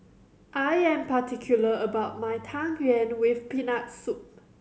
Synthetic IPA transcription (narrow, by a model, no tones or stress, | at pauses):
ʔajɛ̃mpatʰikʰjuləəbaʊt̚majtʰãŋɹɛ̃nwɪfpinak̚sup̚